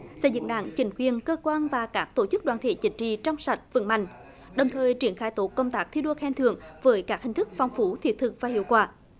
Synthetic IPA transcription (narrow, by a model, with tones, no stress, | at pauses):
sɛ̰˧˥˩zɨ̰˧˨ŋɗa̰ː˧˥ŋt͡ɕï˨˦ŋ̟kwi˨˩ənkəː˧kwaː˧nvaː˨˩kaː˦˥k̚t̪o˧˩t͡ɕɨ˦˥k̚ɗwaː˧˨nt̪ʰḛ˧˩˦t͡ɕï˨˦ŋ̟t͡ɕḭ˧˨t͡ɕɔ˧wŋ͡msa˨˩t̚vɨ̰˧˥ŋma̰˧˨jŋ̟ | ɗə˨˩wŋ͡mt̪ʰəː˨˩jt͡ɕi˧˩˦ənxaː˧˩jt̪o˨˦kːə˧wŋ͡mt̪aː˦˥k̚t̪ʰi˧ɗo˧xɛ˧nt̪ʰɨ˧˨əŋvəː˨˦jkaː˦˥k̚hï˨˩ŋ̟t̪ɨ˦˥k̚fɔ˨˧wŋ͡mfu˨˦t̪ʰi˨˩ət̚t̪ʰɨ˨˩k̚vaː˨˩hḭ˧˨əwkwaː˧˩